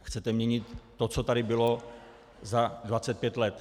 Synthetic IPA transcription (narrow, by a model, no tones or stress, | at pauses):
xt͡sɛt̪ɛmɲɛɲɪt̪ː | ot͡sot̪aɾɪbɪlo | zadvat͡sɛt̪̚pjɛt̪lɛt̪